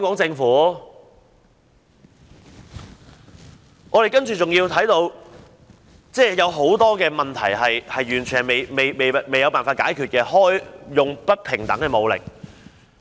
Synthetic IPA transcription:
ŋkɔː˨˥ŋt͡sɪ˧ŋfuː˨˥ | ŋʔɔː˨˧ɾe˨jkɐ˥nt͡ʃyː˨˩t͡sʊ˨ŋjiː˧wt̪ʰɐ˨˥jt̪o˨˧w | t͡sɛː˥˧jɐ˨˧wɦo˨˥wt̪ɔː˥kɛː˧mɐ˨nt̪ʰɐ̰˨˩jɦɐ˨jhɐ˨jɥyː˨˩nt͡ʃʰy˨˩n˨˩me˨˩jme˨jme˨˩jme˨jɐ˨˧wpaː˨nfaː˧t̚ka̰ː˨˥jkʰyː˨t̚kɛː˧hɔː˥jjʊ˨ŋpɐ˥t̚pʰɪ˨˩ŋt̪ɐ̰˨˥ŋkɛː˧mo˨˧wlɪ̰˨˩k̚

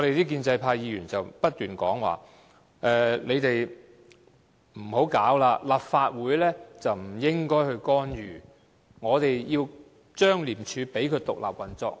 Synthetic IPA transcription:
ŋɔ˨˧ɾe˨jt̪iː˥k̬iː˧nt͡sɐ˧jpʰaː˧jjiː˨˧ɥyː˨˩nt͡sɐ˨wpɐ˥t̚t̪yː˨nkɔ̰ː˨˥ŋwa̰ː˨˩ | ʔɛː˨le˨˧jt̪e˨j | m̩˨˩ho˨˥wkaː˨˥wlaː˧laː˨p̚faː˧t̚wuː˨˥jlɛː˥t͡sɐ˨wm̩˨˩jɪ˥ŋkɔː˥jhɵ˧ɥkɔː˥njyː˨˩ | ŋɔː˨˧t̪e˨jjiː˧w | t͡ʃœː˥ŋliː˨˩mt͡ʃʰyː˨˧pe˨˥jkʰɵ˨˧ɥt̪ʊ˨k̚la̰ː˨p̚wɐ˨˩nt͡sɔː˧k̚

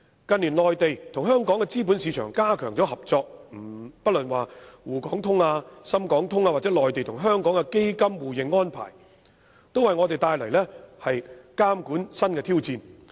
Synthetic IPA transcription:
kɐ˨nliː˨˩nlɔː˨jt̪e˨jt̪ʰʊ˨˩ŋɦœː˥ŋkɔː˨˥ŋkɛ˧t͡siː˥p̬uː˨˥nsiː˨˧t͡ʃʰœ̰ː˨˩ŋkaː˥kʰœː˨˩ŋt͡sɔː˨˥hɐ˨p̚t͡sɔː˧k̚m̩˨˩pɐ˥t̚lɵ˨nwaː˨˩wuː˨˩kɔː˨˥ŋt̪ʰʊ˥ŋaː˧sɐ˥mkɔː˨˥ŋt̪ʰʊ˥ŋaː˧wa˨t̚t͡sɛ˨˥lɔː˨˩jt̪e˨jt̪ʰʊ˨˩ŋɦœː˥ŋkɔː˨˥ŋkɛ˧ke˥jkɐ˥mwuː˨jɪ˨˩ŋːɔː˥npʰa̰ː˨˩j | t̪o˥wɐ˨jŋɔ˨˧t̪e˨jt̪aː˧jlɐ˨˩jlɛː˥hɐ˨jkaː˥mkuː˨˥nsɐ˥nkɛː˧t̪ʰiː˥wt͡siː˧n

